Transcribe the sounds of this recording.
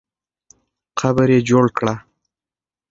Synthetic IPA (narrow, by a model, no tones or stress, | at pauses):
qabəɾjed͡ʒoɽkɽa